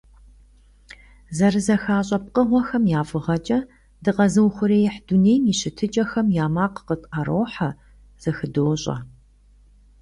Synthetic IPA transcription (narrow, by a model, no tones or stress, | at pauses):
zɐrɨzɐxaːɕʼɐp̚qəʁʷɔxɐmjaːfɨʁɐt͡ʃʼɐ | dɨqɐzɨwxʷʊɾeːjɪħd̥uneːjmiɕɪtʰɨt͡ʃʼɐxɐmjaːmaːqqətʼaɾoːħa | z̥ɐxɨdowɕʼɐ̰